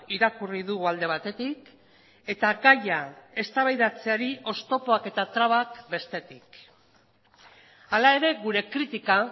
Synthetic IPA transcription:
iɾakuriðuɣuald̪e̞β̞at̪e̞t̪ik | e̞t̪aɡajae̞st̪aβajðat͡se̞aɾiʔo̞st̪o̞po̞ake̞t̪at̪ɾaβakbe̞st̪e̞t̪ik | alae̞ɾe̞ɣuɾe̞kɾit̪ika

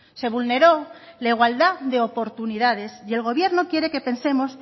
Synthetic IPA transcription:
se̞β̞ulne̞ɾo̞laiɣ̞wald̪aðe̞opo̞ɾt̪uniðað̞e̞sie̞lɣ̞o̞βje̞ɾno̞kje̞ɾe̞ke̞pe̞nse̞mo̞s

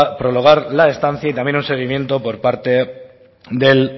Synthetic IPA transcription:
pɾo̞lo̞ɣ̞aɾlaest̪an̟θjait̪amje̞nunseɣ̞imje̞nt̪o̞po̞ɾpaɾt̪e̞ | ðe̞l

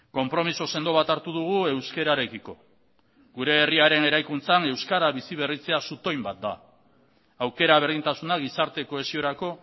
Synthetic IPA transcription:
ko̞mpɾo̞misose̞nd̪o̞β̞at̪aɾt̪uðuɣ̞ue̞wske̞ɾaɾe̞kiko̞̰ | ɡuɾe̞ːriaɾe̞ne̞ɾajkunt͡sane̞wskaɾaβisiβ̞e̞rit͡se̞asut̪o̞jmbat̪̚d̪a̰ | awke̞ɾaβ̞e̞ɾðint̪asunaɣisaɾt̪e̞ko̞e̞sio̞ɾako̞

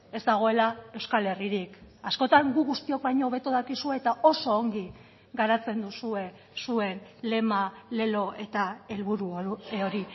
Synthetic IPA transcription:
e̞zd̪aɣ̞o̞e̞lae̞wskale̞riɾikasko̞t̪aŋɡuɣust̪io̞k̚bajɲo̞ːβe̞t̪uðakisue̞ːt̪ao̞so̞ːŋɡi | ɡaɾat͡se̞nd̪usue̞ | sue̞nle̞male̞lo̞e̞t̪ae̞lβuɾuoɾi

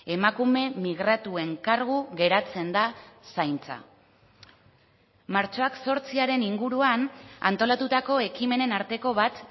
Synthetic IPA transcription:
e̞makume̞miɣɾat̪ue̞ŋkaɾɣuɣe̞ɾat͡se̞nd̪asajnt͡sa̰ | maɾt͡ʃo̞akso̞ɾt͡siaɾe̞niŋɡuɾuana̰nt̪o̞lat̪ut̪ako̞e̞kime̞ne̞naɾt̪e̞ko̞βat̪

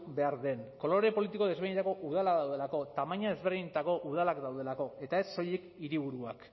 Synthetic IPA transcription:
be̞aɾðe̞nko̞lo̞ɾe̞po̞lit̪iko̞ð̞eβiɲet̪akoʔuð̞alaðawð̞elako̞t̪amaɲaðe̞zβeɾðiɲt̪ako̞ʔuð̞alakd̪awð̞e̞lako̞e̞t̪ae̞sːo̞jekiɾiβ̞uɾuak

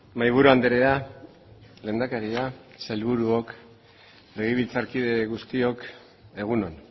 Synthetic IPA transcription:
majβ̞uɾuand̪eɾe̞a | le̞ːnd̪akaɾiasajlβuɾuo̞k | le̞ɣiβilt͡saɾkið̞e̞ɣust̪io̞k | e̞ɣ̞uno̞n

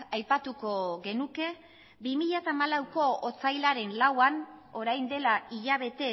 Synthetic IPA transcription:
ajpat̪uko̞ɣe̞nuke̞ | bimiʎat̪aːmalawko̞ot͡sajlaɾe̞nlawano̞ɾajnd̪e̞laiʎaβ̞e̞t̪e̞

